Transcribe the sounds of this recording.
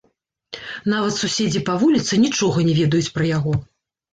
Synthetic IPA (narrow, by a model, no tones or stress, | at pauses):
navɐt̪susʲed͡zʲipɐvulʲit̪sɨnʲit͡ʂɔɣɐnʲɛvʲɛd̪ɐjut͡sʲpɾɐjaɣɔ